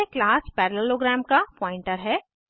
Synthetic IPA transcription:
eklaːspɛːɾleloɡɾɛːmkapɔ̃ːɪ̃ɳʈəɾɦɛː

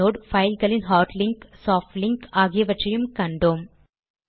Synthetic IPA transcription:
oːɽfɐɪlɣɐɭɪnɦaːɾʈlɪŋksaːfʈlɪŋkaːɣɪjɐʋɐʈrɐjɯmkɐɳɖoːm

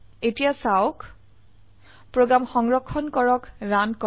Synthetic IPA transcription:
etijasawk | pɹoɡamxɔŋɹɔkʰːɔnkɔɹɔkɹankɔ

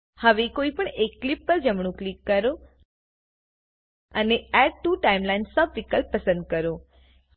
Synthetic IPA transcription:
həʋekoipəɳekːlɪpːəɾd͡ʒəmɳ̃ũklikːəɾo | əneɛɖ̚ʈuʈaimlainsəbʋikəlpəsə̃nd̪̚kəɾo

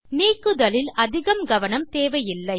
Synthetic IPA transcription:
niːkːɯðɐlɪlʔɐðɪɣɐmɡɐʋɐnɐmt̪eːʋɐjɪlːɐɪ

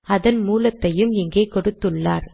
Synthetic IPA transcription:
ɐðɐnmuːlɐt̪ːɐjɯmɪŋɡeːkɔɽɯt̪ːɯɭːaːɾ

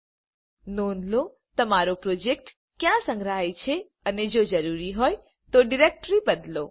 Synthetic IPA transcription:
noːnlo | t̪ɐmaːɾopɾoːd͡ʒek̚ʈ | kjãsə̃ŋɡɾəɦajt͡ʃʰe | əned͡ʒod͡ʒəɾuːɾiɦoːj | t̪oɖɪɾek̚ʈɾibəd̪lo̰

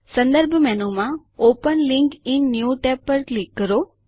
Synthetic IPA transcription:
sə̃nd̪əɾbʱmɛːnũːmã | oːpənlɪ̃ŋkɪnːjuːʈɛːpːəɾklɪkːəɾoː

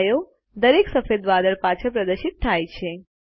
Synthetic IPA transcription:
jo | d̪əɾeksəfed̪ʋad̪əɭpat͡ʃʰəpɾəd̪əɾʃit̪ʰːajt͡ʃʰe

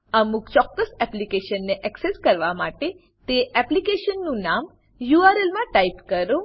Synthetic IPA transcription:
əmukt͡ʃɔkːəsɛplikeʃənːeʔɛkseskəɾʋamaʈe | t̪eʔɛplikeʃənːũnam | juaɾelmãʈaipkəɾo

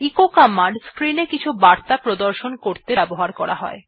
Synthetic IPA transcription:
ikokamaɖskɾinekit͡ɕʰubaɾt̪apɾod̪oɾʃonkoɾt̪eɛboɦaɾkɔɾa̰ɦɔ̰e

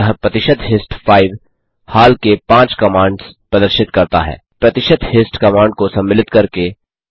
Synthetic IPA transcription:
əɦpɾɐt̪ɪʃəd̪ɦɪsʈfʰaːɪʋ | haːlkepãːt͡ʃkɐmãːɳɖspɾɐd̪əɾʃɪt̪kɐɾt̪a̰ɦɛ̰ːpɾɐt̪ɪʃəd̪hɪsʈkɐmãːɳɖ̚kosɐ̃mːɪlɪt̪kɐɾke

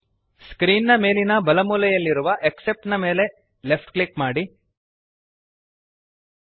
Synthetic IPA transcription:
skɾiːnːɐme̞ːlinɐbɐlɐmuːlɐjɐlːiɾuʋɐʔeksep̚ʈnɐme̞ːle̞ | le̞pʰʈklikmaːɽi

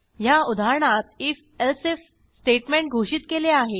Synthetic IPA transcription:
jaud̪ʱaɾɳat̪if | elsef | sʈeʈmẽɳʈ̚ɡʱoɕiːt̪keleaɦe

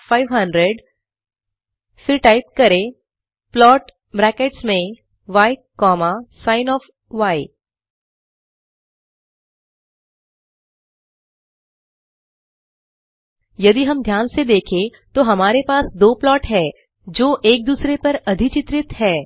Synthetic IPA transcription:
fʰaːɪʋɦɐ̃ɳɖɾeɖ | fɪɾʈaːɪp̚kɐɾẽ | plɔːʈ | bɾɛːkeʈsmẽ | ʋaːkɔːmasaːɪnɔːf | ʋaːi | jɐd̪iɦɐmd̪ʱjaːnsed̪eːkʰẽ | t̪oɦɐmaːɾepaːsd̪oːplɔːʈɦɛː | d͡ʒoːʔeːk̚d̪uːsɾepɐɾɐd̪ʱɪt͡ʃɪt̪ɾɪt̪ɦɛː

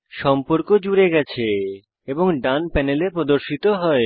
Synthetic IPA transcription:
ʃɔmpoɾkod͡ʑuɾeɡɛt͡ɕʰe | eboŋɖanpɛnelepɾod̪oɾʃit̪oɦɔe

